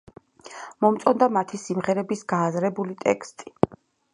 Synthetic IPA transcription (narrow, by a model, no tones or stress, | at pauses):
mɔmt̪sʼɔnd̪amat̪ʰisimʁɛɾɛbisɡaːzɾɛbulit̪ʼɛ̰kʰst̪ʼi̥